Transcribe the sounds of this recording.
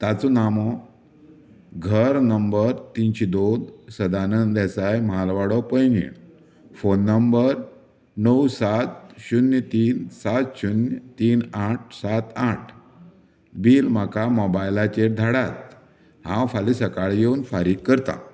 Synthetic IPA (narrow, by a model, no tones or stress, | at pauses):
t̪at͡sɔnamɔ | ɡʱəɾnəmbəɾt̪int͡ɕid̪od̪səd̪anənd̪ɛsajmalʋaɽɔpəjnjə̰ | fonːəmbəɾ | nəwsat̪̚ɕunjət̪iːnsat̪ɕunt̪iːnaʈ̚ʰsat̪aʈʰ | biːlm̤akamobajlat͡ɕeʈ̚d̪ʱaɽat̪̚ | hã̰wfalisəkaɭjeunfaɾiːkːəɾt̪a̰